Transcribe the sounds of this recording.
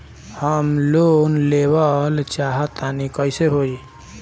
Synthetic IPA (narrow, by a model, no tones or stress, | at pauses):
həmlonlewəlt͡ʃaɦət̪anikəɪseɦoi